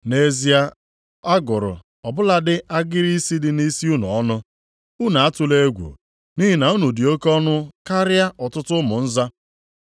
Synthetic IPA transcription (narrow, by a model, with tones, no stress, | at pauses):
ne˨zi˨a˦ | a˦ɡʊ˨ɾʊ̰˨ | ɔ˨bʊ˦la˦dɪ˦ʔa˦ɡɪ˦ɾi˦si˦dɪ˨ni˦si˦u˦nṵ˨ɔ˦nʊ˦ | u˦na˨a˦tʊ˦le˦ɡʷṵ˨ | ni˦ɦi˨na˨u˦nu˨dɪ˨o˦kɔ˦nʊ˦ka˦ɾja˦ʔɔ˨tʊ˦tʊ˦mʊ˨n̩˦za˦